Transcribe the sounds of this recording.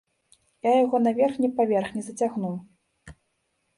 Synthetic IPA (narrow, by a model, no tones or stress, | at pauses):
jajaɣɔnavʲɛrxnʲɛpavʲɛrxnʲɛzɐt͡sʲaɣnu